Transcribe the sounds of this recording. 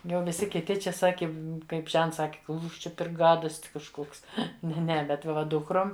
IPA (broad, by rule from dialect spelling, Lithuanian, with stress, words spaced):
jɛʊ ʋʲɪˈsʲɪ kʲɪˈtʲɪ ˈt͡ʃʲɛ ˈsɑːkʲɪ ˈkɐɪp ˈʒʲɛnts ˈsɑːkʲɪ ˈkuːʃ ˈt͡ʃʲɛ pʲɛr ˈɡɑːdoːsʲtʲ kɐʃˈkoːks nʲɛ ˈnʲɛ ˈbʲɛt ʋɐ ˈdʊkroːm